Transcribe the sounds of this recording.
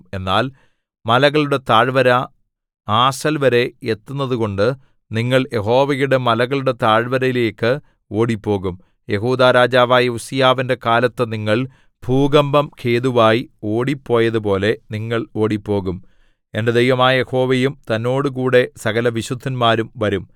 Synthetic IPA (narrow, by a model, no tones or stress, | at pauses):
e̞nːaːl | mɐlɐɣɐɭuɽe̞t̪aːɻʋɐɾɐ | aːsɐlʋɐɾe̞et̪ːunːɐðuko̞ɳɖɨ | niŋːɐɭje̞ɦo̞ːʋɐjuɽe̞mɐlɐɣɐɭuɽe̞t̪aːɻʋɐɾɐjileːkːɨ | o̞ːɽipːo̞ːɣum | je̞ɦuːd̪aːɾaːd͡ʑaːʋaːjɐusijaːʋinde̞kaːlɐt̪ːɨniŋːɐɭ | bʱuːɡɐmbɐmkʰe̞ːðuʋaːjio̞ːɽipːo̞ːjɐðup̬o̞ːle̞niŋːɐɭo̞ːɽipːo̞ːɣum | e̞nde̞d̪ejʋɐmaːje̞ho̞ːʋejumt̪ɐnːo̞ːɽɨk̬uːɽe̞sɐɣɐlɐʋiɕud̪ʱːɐnmaːɾumʋɐɾum